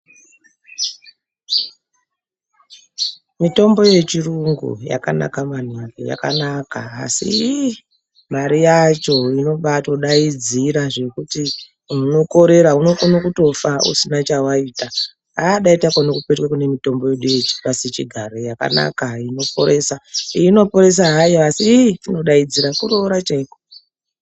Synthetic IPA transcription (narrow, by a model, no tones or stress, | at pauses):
mito̞mbo̞je̞t͡ʃiruŋɡṵja̰ka̰na̰kaman̤uwakoja̰kanakaːsḭ | maɾijat͡ʃo̞ino̞ɓato̞ɗaid͡ziɾaʐe̞kuti | uuno̞ko̞ɾe̞ɾauno̞konokuto̞faṵsinat͡ʃawaita | aɗaitakonokupe̞twakune̞mito̞mbo̞je̞ɗuje̞t͡ʃi̥paset͡ʃiɡʱaɾo̞jaka̰na̰kaino̞po̞̰ɾe̞sano̞po̞ɾe̞s̬aɦajoasitino̞ɗaid͡ziɾakuɾo̞ɾat͡ʃaiko